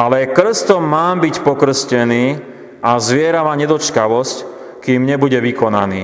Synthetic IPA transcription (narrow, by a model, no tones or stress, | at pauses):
alɛkr̩st̪ɔmːaːmbicpɔkr̩scɛniː | azʋɪɛɾamaɲɛd̪ɔt͡ʃkaʋɔsc | kiːmɲɛbuɟɛʋikɔna̰niː